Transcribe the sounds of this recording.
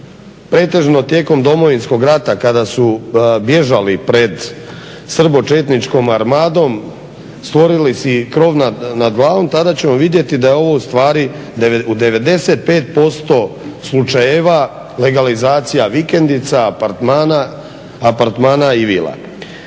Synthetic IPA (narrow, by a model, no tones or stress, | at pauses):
pɾe̞ːt̪e̞ʒno̞t̪je̞ːko̞md̪o̞mo̞ʋinsko̞ɡɾat̪akad̪asubje̞ʒalipɾe̞d̪ | sr̩bo̞t͡ʃet̪nit͡ʃko̞maɾmaːd̪o̞m | st̪ʋo̞ɾilisikɾo̞ːʋnanad̪ɡlˠaːʋo̞mt̪ad̪at͡ɕe̞mo̞ʋid̪je̞t̪id̪ajeo̞ʋo̞ust̪ʋaːɾi | d̪eud̪e̞ʋe̞d̪e̞se̞t̪̚pe̞ːt̪̚po̞st̪o̞slˠut͡ʃajeʋa | le̞ɡalizaːt̪sijaʋike̞nd̪it̪samanaː | paɾt̪maːnaiʋḭːlˠa̰